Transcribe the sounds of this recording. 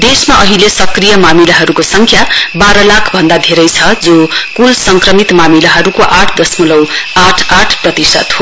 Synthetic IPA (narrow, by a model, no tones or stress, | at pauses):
d̪esmaʔʌɦilesʌkrijʌmamilaɦʌɾukosʌŋkʰjabaɾʌlakʰbʱʌnd̪ad̪ʱeɾʌjt͡sʰʌd͡zokulsʌŋkrʌmit̪mamilaɦʌɾukoʔaʈʰd̪ʌsmulʌwaʈʰaʈʰprʌt̪isʌ̰t̪ɦo